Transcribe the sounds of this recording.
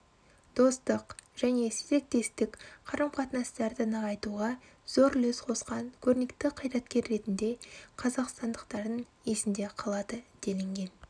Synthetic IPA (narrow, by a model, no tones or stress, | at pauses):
d̪̥o̞st̪əqʒ̥æne̞seze̞k̚t̪e̞st̪ɪkqʰɑɾəmqʰɑt̪ənɑst̪ɑɾd̪ənəɑjt̪uʁɑ | z̥o̞ɾlɵsqʰo̞sqɑnkʲʰɵɾnekt̪ɪqʰəjɾɑt̪kʲe̞ɾːe̞t̪ɪnd̪e̞qʰɑzɑqst̪ɑnd̪əqt̪ɑɾd̪ən | e̞sɪnd̪e̞qʰɑlˠɑd̪əd̪̥e̞lɪŋɡʲe̞n